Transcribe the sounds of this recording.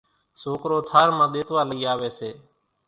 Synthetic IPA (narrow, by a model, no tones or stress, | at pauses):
soːkɾoːt̪ʰaːɾmãːɗ̪eːt̪ʋaːləiːaːʋeːseː